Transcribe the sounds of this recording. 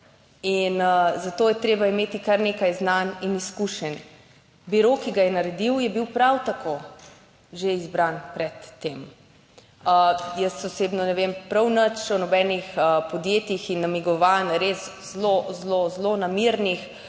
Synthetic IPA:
inəzat̪oːjɛt̪ɾeːbaimeːt̪ikaɾneːkajznaniniskuʃɛn | biɾokiɡajɛnaɾɛd̪iwjɛbiwpɾawt̪ako | ʒeizbɾanpɾɛt̪ːeːm | əjəsɔseːbnɔnɛʋempɾɐwnət͡ʃɔnɔbɛːnixəpɔd̪jeːt̪ixinːamiɡɔʋanɾes | zlozlozlonamiɾnix

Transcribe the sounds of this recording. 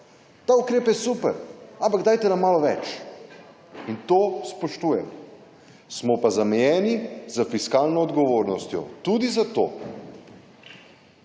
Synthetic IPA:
t̪aːukɾeːpjɛsupɛɾampaɡd̪ajt̪ɛnamaːlɔʋɛ̰t͡ʃ | int̪oːspoʃt̪uːjɛmɔ | smɔpazamɛjɛːnizafiskaːlnɔːd̪ɡɔʋoːɾnɔst̪jɔ̰t̪ud̪izat̪o̰ː

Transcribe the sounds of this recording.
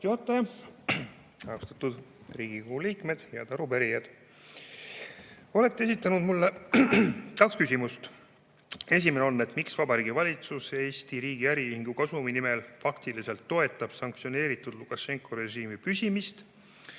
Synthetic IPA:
t̪iot̪ːˑejɑ | ɑost̪ɑt̪ud̪̥riːɡ̥ikohuliːkme̞d̪̥jɑ̰t̪ɑɾupæɾijɑd̪̥ | o̞le̞kt̪ːˑesit̪ːˑɑnud̪̥mulːe | kɑkskysʲimust̪ | e̞s̬ʲime̞neo̞nːe̞t̪miksvɑbɑɾiːɡ̥ivɑlʲit̪suse̞ːst̪iɾiːɡ̥iæɾiyhiŋɡ̥ukɑsuminime̞lfɑkt̪ilise̞lt̪ːo̞e̞t̪ːˑɑb̥sɑŋk̚t̪sio̞ne̞ːɾit̪ːˑud̪̥lukːˑɑʃe̞ŋkˑoɾe̞ʒiːmipysʲimist̪

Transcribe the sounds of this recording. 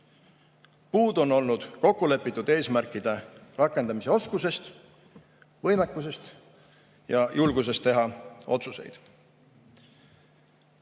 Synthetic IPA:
puːd̪̥o̞nːo̞lnud̪̥ko̞kːule̞pːˑit̪ːˑud̪e̞ːsmæɾkːˑid̪̥e̞rɑkːˑe̞nd̪ɑmise̞o̞skuse̞st̪ | vɤjmekːˑus̬e̞st̪ | jɑjʔulɡ̥us̬e̞st̪ːe̞ɦɑo̞t̪suse̞̰jd̪̥

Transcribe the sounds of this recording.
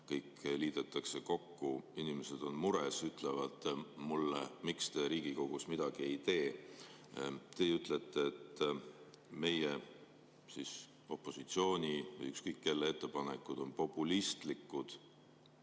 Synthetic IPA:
kɤjkliːd̪̥et̪ːˑɑkse̞ko̞kːuinimese̞d̪̥o̞nmuɾesyt̪ˑle̞vɑd̪̥mulːemikst̪e̞ɾiːɡ̥iko̞ɡ̥usmid̪̥ɑɡ̥ie̞jt̪e̞ː | t̪e̞yt̪ˑlet̪ˑːeːt̪ː | me̞je | sis | o̞pːˑo̞sit̪sio̞ːnʲivɤ̰jykskɤjkːe̞lːeet̪ˑːe̞pɑne̞kːˑud̪̥o̞npo̞pːˑulist̪likːˑud̪̥

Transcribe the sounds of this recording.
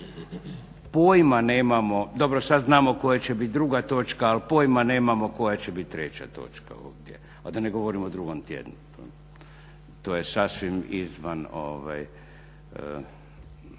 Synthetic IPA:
poːjmane̞ːmamo̞d̪o̞bɾosad̪znaːmo̞kojat͡ɕebit̪̚d̪ɾuɡat̪o̞ːt͡ʃkaːlpoːjmane̞ːmamo̞ko̞jat͡ɕebit̪̚ʲt̪ːɾet͡ɕa̰t̪o̞̰ːt͡ʃka̰o̰ʋd̪jḛ | ad̪aneɡo̞ʋoɾimod̪ɾuɡomt̪jḛd̪nu | o | t̪oːjesaːsʋimizʋano̰ʋa̰j

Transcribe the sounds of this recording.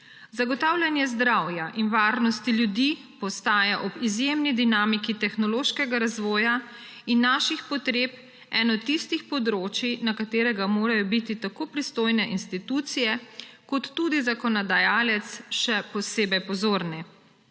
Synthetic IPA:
zaɡɔt̪aːwlʲjanjɛzd̪ɾawjaʔinʋaːɾnɔst̪iljud̪i | pɔst̪aːjaʔɔbizjemnid̪inaːmikit̪ɛxnɔloːʃkɛɡaɾazʋɔːja | inːaːʃixpɔt̪ɾeːp | ɛnɔt̪ːist̪ixpɔd̪ɾoːt͡ʃinakat̪eːɾɛɡamoːɾajɔbit̪it̪akoːpɾist̪oːjnɛʔinst̪it̪ut̪sijɛkɔt̪ːuːd̪izakɔnɔd̪ajaːlɛt̪sʃɛpɔseːbɛjpɔzoːɾnɛ

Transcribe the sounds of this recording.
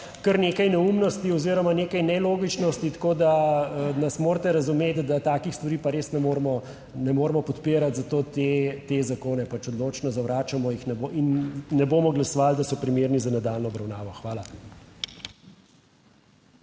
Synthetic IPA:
kəɾneːkajnɛumnɔst̪iɔziːɾɔmaneːkajnɛloːɡit͡ʃnɔst̪it̪koːd̪anasmoːɾt̪ɛɾɐzumeːt̪d̪at̪aːkixst̪ʋaɾiːpaɾeːsnɛmoːɾmɔ | nɛmoːɾmɔpɔt̪piːɾat̪zat̪oːt̪et̪ezakoːnɛpat͡ʃɔd̪loːt͡ʃnɔzawɾaːt͡ʃamɔjixnɛboʔinːɛboːmɔɡlasɔʋald̪asɔpɾimeːɾnizanad̪aːlnɔbɾɐwnaːʋɔxʋaːla

